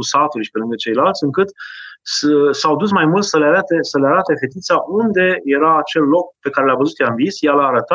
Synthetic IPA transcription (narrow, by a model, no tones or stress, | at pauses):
usat̪uɾʃipe̞lɨŋɡət͡ʃe̞jlalt̪sʲɨŋkɨt̪ssawd̪us̬majmult̪səleaɾat̪esəleaɾat̪efe̞t̪it̪saʔund̪e̞je̞ɾaːt͡ʃe̞lːo̞k̚pe̞kaɾe̞lavəzut̪janvisjalaːɾət̪a